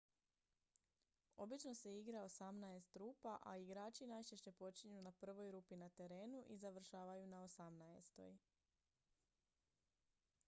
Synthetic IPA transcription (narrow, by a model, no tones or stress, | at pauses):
o̞bit͡ʃno̞seiɡɾao̞samnaest̪ɾuːpaʔaiɡɾaːt͡ʃinajt͡ʃeʃt͡ɕe̞po̞t͡ʃiɲunapr̩ʋo̞jɾuːpinat̪e̞ɾe̞ːnuʔizaʋr̩ʃaːʋajunaosamnaest̪o̞̰j